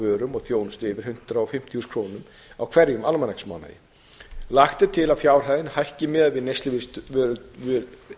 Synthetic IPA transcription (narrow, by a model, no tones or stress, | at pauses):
vœːɾʏmɔɣθjoːwnst̪ɪvɪɾ̥hʏn̥t̪ɾaɔfɪm̥t̪ʰiuskʰɾoːwnʏm | awkʰv̥ɛɾjʏmalmanaksma̰ːwna̰jɪ̰ | laxt̪ɪt̪ʰɪlawfjaːwr̥hajðɪnhajhcɪmɛːðvɪðnejst̪ɪvɪst̪vœ